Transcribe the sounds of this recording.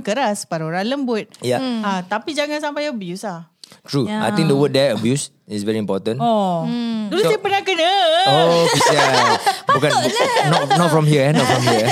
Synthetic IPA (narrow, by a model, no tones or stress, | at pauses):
kəɾaspaɾoɾaləmbʊt̪̚jaat̪apid͡ʒaŋãnsampajəbjuslahtɹuʔa̰jt̪ĩŋk̚dəwəd̚dɛəbjus | isvɛɹiĩmpɔtə̃nɔ | dulʊtspənakənəokisjabbukãnɔtnɔtfɹɔ̃mɦiəɛnɔtfɹɔ̃mɦiə